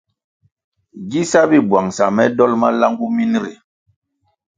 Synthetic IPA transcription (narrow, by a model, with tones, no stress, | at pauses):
ɡi˦sa˦bi˦bwa˨ŋsa˨mɛ˦dɔ˦lma˦la˦ŋɡu˦mi˦n˦ɾḭ˨